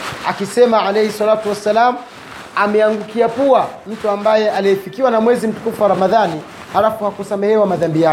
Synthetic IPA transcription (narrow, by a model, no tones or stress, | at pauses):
a̰kisɛmaʕalɛhisalatuwasalamu | amɛaŋɡukiapuam̩tuambajɛaliɛfikiwanamwɛzim̩tu̥kufaaɾamaðani | halafuhakusamɛhɛwamaðambija